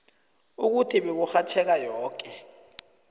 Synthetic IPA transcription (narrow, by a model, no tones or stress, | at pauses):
uk̬utʰiɓek̬uxatʰɛk̬ajɔːk̬ʼɛ